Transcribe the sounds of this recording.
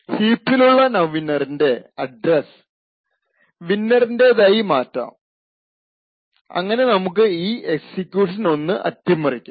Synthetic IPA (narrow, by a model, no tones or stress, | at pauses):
hiːpːiluɭːɐnɐʋinɐrinde̞ɐɖres | ʋinːɐrinde̞ðaːjimaːtːa̰ːm | ɐ̰ŋːɐne̞nɐmuk̬ːɨiːʔeksikʲːjuːʂɐno̞nːɨʔɐ̰t̪jɐmːɐrikʲːu